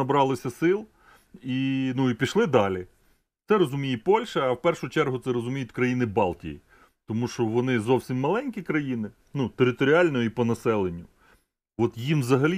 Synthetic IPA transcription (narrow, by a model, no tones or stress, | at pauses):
ɐbɾɑlˠɪsʲɐsɪlˠ | inuipʲiʃlˠɪd̪ɑlʲi | t̪sɛɾɔzʊmʲijipɔlʲʃɐɐwpɛrʃʊt͡ʃɛrɦʊt̪sɛɾɔzʊmʲijʊtʲkɾɐjinɪbɑlˠtʲḭjḭ | t̪ɔmuʃɔʋɔnɪzɔwsʲimːɐlˠɛnʲkʲikɾɐjinɪ | nut̪eɾɪt̪ɔɾʲɪɑlʲnɔjipɔnɐsɛlˠenʲːʊ | ʋɔt̪jimʋzɐɦɐlʲi